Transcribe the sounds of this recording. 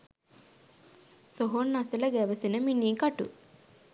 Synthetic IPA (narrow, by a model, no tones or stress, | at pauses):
soɦonːɐsilɐɡɛʋɐsinɐminːiːkɐʈṵ